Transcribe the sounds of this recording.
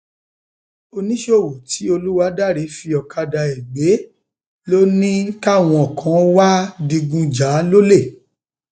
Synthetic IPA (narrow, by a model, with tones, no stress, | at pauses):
o˧nĩ˦ʃo˦˨wo˨ti˨˦o˧lu˦wa˦da˦˨ɾe˨˦fi˧ɔ˨kʰa˧da˨ɛ˨ɡ͡be˨˦ | lo˦nĩ˦ka˦˨w̃ɔ̃˧ɔ˨kʰã˨˦wa˦dĩ˧ɡũ˧d͡ʒa˨˦lo˦le˦˨